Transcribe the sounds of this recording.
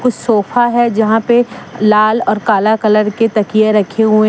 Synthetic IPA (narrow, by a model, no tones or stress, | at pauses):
kʊt͡ʃʰsoːfʰaɦɛd͡ʒɐɦãpelaːlɔːɾkaːlakɐləɾket̪ɐkieɾɐkʰeɦuẽ